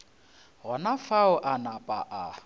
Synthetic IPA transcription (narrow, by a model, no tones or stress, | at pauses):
ɦɔnafaʊʔanapʼaʔa